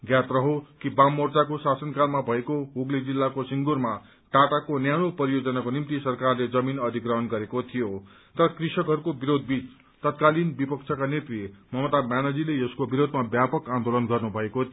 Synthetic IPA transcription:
ɡjat̪rʌɦokibamːort͡sakosasʌnkalmabʱʌekoɦoɡlid͡zilːakosiŋɡurma | ʈaʈakonjaɽ̃opʌɾijod͡zʌnakonimt̪isʌrkarled͡zʌminʌd̪ʱikrʌɦʌnɡʌɾekot̪ʰijo | t̪ʌɾʌkrisʌkɦʌɾukobiɾod̪̚ʱbit͡s | t̪ʌt̪kalinbipʌkt͡sʰʌkanet̪rimʌmʌt̪amjanʌd͡zileeskobiɾod̪ʱmabjapʌkãnd̪olʌnɡʌrnubʱʌeko

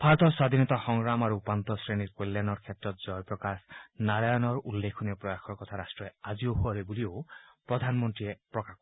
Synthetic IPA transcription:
pʰaɾɔt̪ʰɔswad̪ʱinɔt̪ɔxɔŋɾamaɾuːpant̪ɔsɾeniɾkolːjanɔɾkʰjetɾɔt̪d͡ʒɔjpɾɔkasnaɾajɔnɔɾulːekʰuniɔpɾɔjaxʰɔɾkɔt̪ʰaɾasʈɾɔead͡ʒioɦuaɾebuliopɾɔd̪ʱanmɔnt̪ɾiepɾɔkak

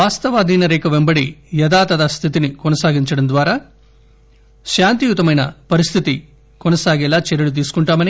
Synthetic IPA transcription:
ʋaːst̪ɐʋaːd̪ʱiːnɐɾeːkɐʋembɐɽijɐd̪aːt̪ɐd̪aːst̪ʰit̪inikɔnɐsaːɡiɲt͡ʃɐɽɐnd̪ʋaːɾɐ | ʃaːnt̪ijut̪ːɐmɐjnɐ̰pɐɾist̪ʰit̪i | kɔnɐsaːɡɛlːaːt͡ʃɛɾɐɭut̪̬iːsu̥kɔɳʈaːmɐni

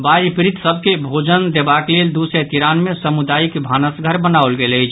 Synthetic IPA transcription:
baɾpɾit̪səb̚ʱkebʱod͡ʒənd̪ebakleld̪uset̪iɾanmesəmud̪aːikbʱanəsɡʱəɾbənaolɡelət͡ʃʰ

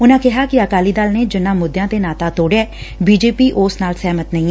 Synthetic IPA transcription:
ʊnãːkɪɦaːkɪəkaːliːd̪aːlneːd͡ʒɪnːãːmʊd̪ːjãːt̪eːnaːt̪aːt̪oːɽeɛːbiːd͡ʒeːpiːʔoːsnaːlsɛːmət̪nəĩːɛ

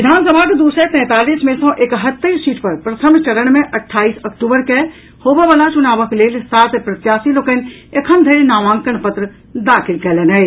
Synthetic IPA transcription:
ʋɪd̪ʱaːnsəbʱaːɡd̪uːsɾet̪ɛ̃ːt̪aːliːsmẽsɔ̃ʔekəɦət̪ːəsiːʈpəɾpɾət̪ʰəmt͡ʃəɽəɽmẽʔɐʈʰːaːiːsəkʈuːbəɾke | hoːbɛʋaːlat͡ʃunaːʋəkleːlsaːt̪pɾət̪jaːsiloːkənekʰənd̪ʱeɾnaːʋãːŋkənpət̪ɾə | d̪aːkʰɪlkɛlɛnəe

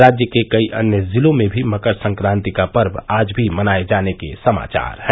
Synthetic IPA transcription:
ɾaːd͡ʒjəkekəiʔənjəzilõmebʱiməkəɾsə̃ŋkɾãnt̪ikapəɾbaːd͡ʒbʱimənaed͡ʒanekesəma̰ːt͡ʃa̰ːɾɦɛ

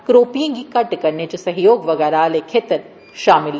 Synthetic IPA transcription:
kɾoːpijẽkikɐʈkɐɾnet͡ʃəsɐɦjoːɡʋɐɡɛːɾaːlekʰeːt̪əɾ | ʃaːmɪl

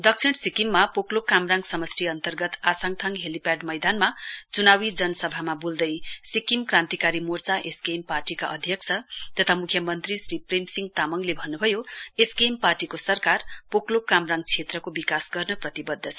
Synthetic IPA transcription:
d̪ʌk̚sʰiɽsikimːapoklokːamraŋsʌmʌsriʌnt̪ʌrɡʌt̪asaŋt̪ʰaŋɦelipaɖmʌjd̪anmat͡sunawid͡zʌnʌsʌbʱamabuld̪ʌjsikimkrãnt̪ikaɾimort͡saʔeskemparʈikaʔʌd̪ʱjʌk̚t͡sʰʌt̪ʌt̪ʰamukʰjʌmʌnt̪risripremsiŋɡt̪amʌŋlebʱʌnːubʱʌjoeskemparʈikosʌrkarpoklokːamraŋɡ̚t͡sʰet̪rʌkobikasɡʌrnʌprʌt̪ibʌd̪ʱːʌt͡sʰʌ

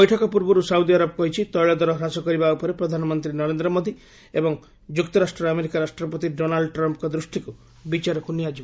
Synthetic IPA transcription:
ɔjʈʰɔkɔpuɾbɔɾusawd̪iaɾɔbɔkɔɦit͡ʃʰit̪ɔjɭɔd̪ɔɾɔɦɾasɔkɔɾibaupɔɾepɾɔd̪ʱanɔmɔnt̪ɾinɔɾend̪ɾɔmod̪ʱi | ebɔŋ | d͡ʒukt̪ɔɾasʈɾɔameɾikaɾasʈɾɔpɔt̪iɖonalɖɔʈɾɔmpkɔd̪ɾusʈʰiku | bit͡ʃaɾɔkuniad͡ʒibɔ

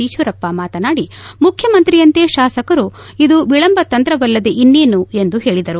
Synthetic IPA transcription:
iːʃʋɐɾɐpːamaːt̪ɐnaːɽimukʰjɐmɐnt̪ɾijɐnt̪eːʃaːsɐkɐɾuid̪uʋiɭɐmbɐt̪ɐnt̪ɾɐʋɐlːɐd̪eʔinːeːnue̞nd̪uɦe̞ːɭid̪ɐɾu

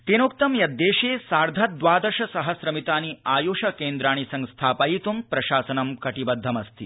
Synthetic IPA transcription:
t̪enoːkt̪ɐmjɐd̪ːeːʃeːsaːɾd̪ʱɐt̪̚d̪ʋaːd̪ɐʂɐsɐɦɐsɾɐmit̪aːniaːjoːʃɐkeːnd̪ɾaːɽ̃isɐŋst̪ʰaːpajit̪umpɾɐʃaːsɐnɐmkɐʈibɐd̪ʱːɐmɐst̪ʰḭ

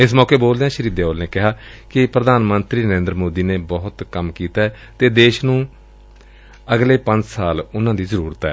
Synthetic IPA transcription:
ɪsmɔːkeːboːld̪eɛ̃ːʃəɾiːd̪eːoːlneːkɪɦaːkɪpɾəd̪ʱaːnmənt̪ɾiːnəɾẽːnd̪ɾəmoːd̪iːneːbɔɦʊt̪kəmkiːt̪aːɛː | t̪eːd̪eːʃnũː | əɡleːpəɲd͡ʒsaːlʊnãːd̪iːzəɾuːɾət̪ɛ̰ː

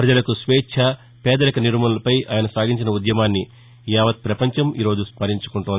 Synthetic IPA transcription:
pɾɐd͡ʒɐlɐkusʋɛːt͡ʃʰɐ | pɛːd̪ɐlɐkɐniɾmɐnɐlɐpɐjaːjɐnɐsaːɡʱiɲt͡ʃinɐud̪jɐmaːnːi | jaːʋɐt̪̚pɾɐpɐɲt͡ʃɐmḭːɾo̞ːd͡ʒuspɐɾiɲt͡ʃu̥kuɳʈuːnd̪i

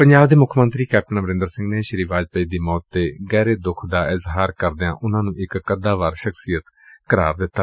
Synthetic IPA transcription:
pəɲd͡ʒaːbd̪eːmʊkʰmənt̪ɾiːkɛːp̚ʈənaːbəɾɪ̃nd̪əɾsɪ̃ŋɡneːʃəɾiːʋaːd͡ʒpəiːd̪iːmɔːt̪ːeːɡɛːɾeːd̪ʊkʰd̪aːɪzɦaːɾkəɾd̪ejã̰ːʔʊnãːnũːʔɪkːəd̪aːʋaːɾʃəkʰsijət̪ | kəɾa̰ːɾd̪ɪt̪ːaː

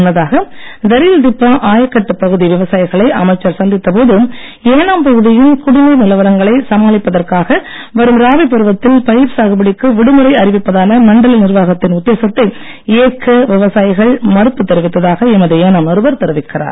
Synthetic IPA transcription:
nːɐðaːɣɐd̪ɐɾɪjɪld̪ɪpːaːʔaːjɐkːɐʈːɯpːɐɣɯðiʋɪʋɐsaːjɪɣɐɭɐɪʔɐmɐɪt͡ʃːɐɾsɐnd̪ɪt̪ːɐp̬oːðɯ | eːnaːmpɐɣɯðɪjɪnkʊɽɪnɐɾnɪlɐʋɐɾɐŋɡɐɭɐɪsɐmaːlɪpːɐðɐrkaːɣɐ | ʋɐɾɯmɾaːʋɪp̬ːɐɾɯʋɐt̪ːɪlpɐjɪɾsaːɣɯbɐɽɪkːɯʋɪɽɯmɯɾɐɪɐɾɪʋɪpːɐðaːnɐmɐɳɖɐlɐlnɪɾʋaːɣɐt̪ːɪnʊd̪ːeːsɐt̪ːɐɪ | eːkːɐʋɪʋɐsaːjɪɣɐɭmɐɾɯpːɯt̪ːɛɾɪʋɪt̪ːɐðaːɣɐɛmɐðɯeːnaːmnɐɾɯbɐɾt̪ɐɾɯʋɪkːɪra̰ːɾ

